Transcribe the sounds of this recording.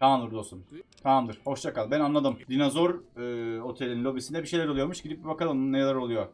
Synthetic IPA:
t̪ʰaamd̪ɯɾd̪osunt̪ʰamamd̪ɯɾ̥ho̞ʃt͡ʃakalˠbænanlˠad̪ɯmd̪inazo̞ɾɯːo̞t̪ʰe̞lʲininlʲo̞bisind̪ɛbiʃe̞jlʲæɾolˠujo̞ɾmuʃɟid̪ip̚bibakalˠɯnnːajalˠaɾo̞lˠujo

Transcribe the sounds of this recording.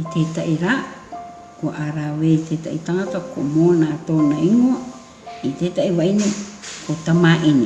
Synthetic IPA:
itetaʔiɾa | koʔaɾaweiteta̰ʔitaŋatako̰monatonaiŋoa | itetaʔiwajnekotamaʔini

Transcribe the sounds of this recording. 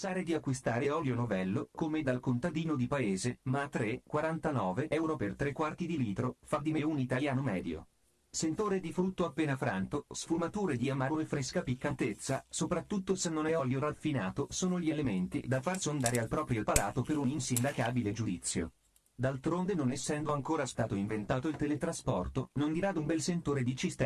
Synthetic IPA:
saːɾed̪iakːwist̪aːɾeɔljonovɛlːokomed̪alkont̪ad̪iːnod̪ipaeːzemaːt̪ːɾekːwaɾant̪anɔːveʔɛwɾopert̪ɾekːwart̪id̪iliːt̪ɾofad̪ːimeunit̪aljaːnomɛːd̪jo̰ | sent̪oːɾed̪ifɾut̪ːoapːeːnafɾant̪osfumat̪uːɾed̪iamːaɾoefɾeskapikːant̪et̪sːasopɾat̪ːut̪ːosenːonɛɔljorafːinaːt̪osoːnoʎielement̪ḭd̪afarsond̪aːɾealpɾɔːpɾjolpalaːt̪opeɾuninsind̪akaːbiled͡ʒud̪it̪sːjo̰ | d̪alt̪ɾond̪enonesːɛnd̪oaŋkoːɾast̪aːt̪oiɱvent̪aːt̪oilt̪elet̪ɾaspɔrt̪onond̪iɾad̪umbɛlsent̪oːɾed̪it͡ʃist̪

